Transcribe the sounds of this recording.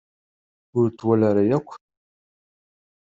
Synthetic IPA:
ʊɾt̪ːwælaɾajækʷː

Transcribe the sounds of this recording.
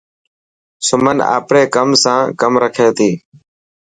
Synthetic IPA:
sʊməna̰ːpɽeːkəmsãːkəmɾəkʰeːt̪iː

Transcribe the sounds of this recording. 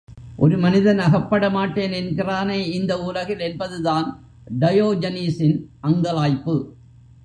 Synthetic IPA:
ʔɔɾɯmɐnɪðɐnɐɣɐpːɐɽɐmaːʈːeːnɛnkɪraːneːɪnd̪ɐuːlɐɣɪlɛnbɐðɯðaːn | ɖɐjoːd͡ʒɐniːsɪnʔɐŋɡɐɭaːjpːɯ

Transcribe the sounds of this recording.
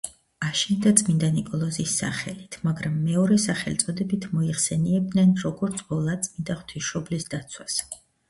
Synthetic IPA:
aʃind̪at̪sʼmind̪anikʼɔlˠɔzisːa̰χɛlit̪ʰmaɡɾamːɛɔɾɛsaχɛlt̪sʼɔd̪ɛbit̪ʰmɔiχsɛniɛb̚d̪nɛnɾɔɡɔɾt̪sʰbɔlˠat̪sʼmind̪aχt̪ʰisʃɔblisd̪at̪sʰwas

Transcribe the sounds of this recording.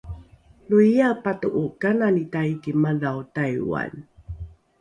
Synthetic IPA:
nuijapatuʔukananitaitimalawtajwa̰n

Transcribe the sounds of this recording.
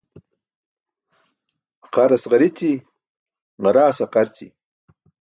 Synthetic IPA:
qaɾasʁaɾit͡si | ʁaɾaːsaqaɾt͡sḭ

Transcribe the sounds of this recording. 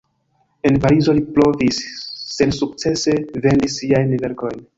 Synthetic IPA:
e̞npaɾizo̞liplo̞visːedsuk̚t͡se̞se̞ve̞ndisːiajnve̞ɾko̞jn

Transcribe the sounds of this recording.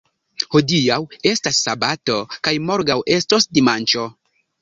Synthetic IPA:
ho̞dijawe̞stasːabato̞kajmo̞ɾɡawʔe̞sto̞sdimant͡ʃo̞

